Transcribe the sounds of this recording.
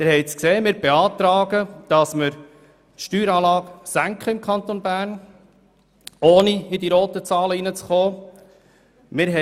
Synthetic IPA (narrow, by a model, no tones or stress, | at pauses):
mɪɾhɛɪt͡skseːmɪːɾbeɑːt̪ɾɑːɡəd̥ɑsməɾ | ʃtyːɾɑːlɑːɡsæŋkχəɪmkχɑnt̪onbæːɾn | oːniɪd̪iɾoːt̪ət͡sɑːləinət͡sχoː | mɪɾɦɛ